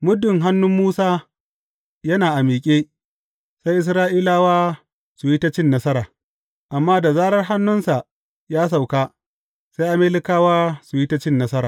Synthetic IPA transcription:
mʊ˦dɪ˨ŋɦa˦nːʊ˦mːuː˦saː˦ | jɐ˦naː˨ʔa˨miː˨kʲʼeː˦ | sa˦jʔɪ˨sɾaː˦ʔiː˦laː˦waː˦ | su˨jɪ˦ta˦t͡ʃɪ˦nːɐ˦sɐ˦ɾaː˨ | ʔa˨mːaː˦da˨zaː˦ɽɐ˦rɦa˦nːʊ˦nsa˨ʔ | jaː˦s̬a˨wkaː˦ | sa˦jʔa˦meː˦lɪ˦kaː˦waː˦su˨jɪ˦tɐ˦t͡ʃɪ˦nːɐ˦sɐ˦ɾaː˨

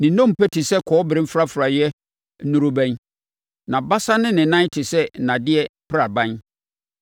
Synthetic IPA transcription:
nɪ̃˨nɔ̃˦m˨pʰɛ˦tʰɪ˨sɛ˦kʰɔ˨˦bɪ˨ɾɪ˦m̩˦fɾa˦fʊ˨ɾa˨jɛ˦ | nũ˦ɾʊ˦bæ̃˦n | nã˨ba˦sa˦nɪ̃˦nɪ̃˨nã˦tʰɪ˨sɛ˦˨nã˨dɪ˦ɛ˦pʰɪ˦ɾa˨bã˦n

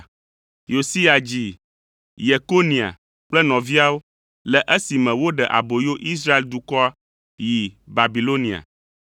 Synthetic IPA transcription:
jo˨si˦a˨d͡ʑi˦˨ | je˨ko˦nĩ˨a̰˨ | k͡plɛ˦nɔ̃˨vi˦a˦wo˦ | lɛ˨ʔɛ˦si˨mɛ̃˨wo˦ɖɛ˨ʔa̰˨bo˨jo˦ʔi˦s̬ɾa˦e˦˨ld̪u˨kɔ˦a˦ | ji˨ba˨bi˨lo˦nĩ˨a̰˨

